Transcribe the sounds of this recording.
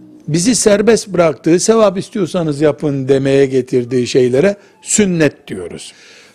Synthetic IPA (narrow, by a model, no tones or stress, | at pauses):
bizisæɾbɛst̪bɯɾak̚t̪ʰɯːse̞vap̬ist̪ʰijo̞sanɯzjapʰɯnd̪e̞mejɛɟe̞t̪ʰiɾd̪iːʃe̞jlʲeɾɛ | synːɛt̪̚d̪̥ijo̞ɾṵz̥